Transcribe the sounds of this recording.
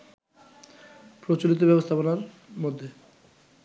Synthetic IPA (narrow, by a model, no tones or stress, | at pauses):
pɾot͡ɕolit̪̬obɛbost̪ʰaponaɾ | mod̪ʱːe